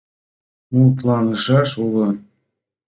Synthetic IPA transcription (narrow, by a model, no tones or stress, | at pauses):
mult̪̬lɑnɤʃɑʃulɤ̆